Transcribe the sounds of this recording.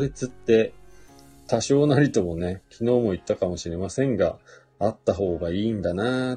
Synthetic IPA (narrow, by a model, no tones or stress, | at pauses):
ɾet͡sɨt̪ːe̞ | t̪aɕo̞ːnaɾʲit̪o̞mo̞ne̞kʲino̞ːmo̞it̪ːakamo̞ɕiɾe̞masẽ̞ŋɡa | at̪ːaɦo̞ːɡaiːnd̪ana